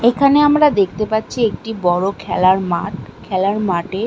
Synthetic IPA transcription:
ekʰaneamɾad̪ek̚ʰt̪epatːɕʰiek̚ʈibɔɾokʰɛlaɾmaʈ̚kʰɛlaɾmaʈe

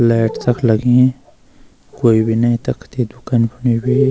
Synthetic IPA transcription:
lɛːʈt̪ɐkʰlɐɡẽ | koːibʱinɐĩt̪ɐkʰt̪ed̪ukaːnpʰʊnibʱi

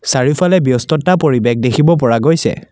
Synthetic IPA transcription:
saɹipʰalɛbjɔstɔtːapoɹibɛk̚dekʰibɔpɔɹaɡojsɛ̰

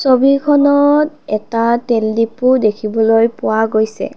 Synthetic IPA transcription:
sobikʰɔnɔtɛtateldipudekʰibɔlojpʊwaɡojsɛ̰

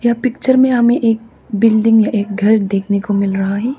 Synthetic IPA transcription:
japɪk̚t͡ʃəɾmẽɦɐmẽʔeːk̚ | bɪlɖɪ̃ŋɡjaʔeːk̚ɡʱɐɾd̪eːkʰnekomɪlɾɐɦaɦɛː

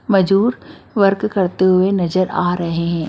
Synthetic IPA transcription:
mɐd͡ʒuːɾʋɐɾkːɐɾt̪eɦʊenɐzəɾaːɾɐɦeɦɛ̃ː

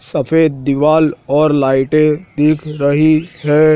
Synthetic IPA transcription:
sɐpʰeːd̪̚d̪ɪʋaːlɔːɾlaːɪʈed̪iːkʰɾɐɦiɦɛː

